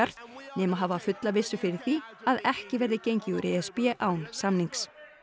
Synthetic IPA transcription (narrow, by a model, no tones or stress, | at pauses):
aɾ̥t̪nɛːmaɦaːvafʏt̪lavɪsːʏfɪɾɪɾ̥θiaðɛhcɪvɛɾðɪcejɲcɪuɾʔɛɛspjɛʔaːwnsamniŋks